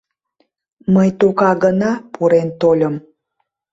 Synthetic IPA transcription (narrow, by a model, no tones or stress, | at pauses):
məjt̪ukɑɣənɑpuɾent̪olʲəm